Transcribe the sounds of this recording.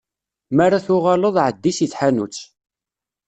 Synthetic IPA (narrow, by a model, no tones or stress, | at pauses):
maraθʊʁɑləðˤʕəd̪ːisiθħanut͡sː